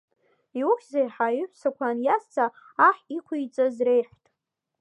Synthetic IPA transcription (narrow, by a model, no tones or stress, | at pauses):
iwʊkʲzajħaiħʷsakʷʰanjast͡sʰaː | ħikʷʰijt͡sʼazre̞jħʷtʼ